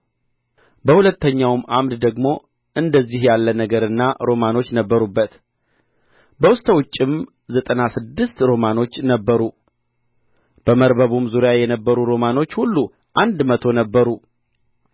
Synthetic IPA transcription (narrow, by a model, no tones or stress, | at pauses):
bəhulət̪ʰːəɲːawmamd̪d̪əɡmo̞ | ʔɨnd̪əzːihjalːənəɡəɾɨnːaɾo̞mano̞t͡ʃːnəbːəɾubːət̪ | bəwʊst̪ʼəwʊt͡ʃʼːɪm | zət̪ʼənasɨd̪ːɨst̪ɾo̞mano̞t͡ʃːnəbːəɾu | b̥əməɾbəβumzuɾjajɛnəbːəɾuɾo̞mano̞t͡ʃːhulːu | ʔand̪mət̪ʰo̞nəbːəɾu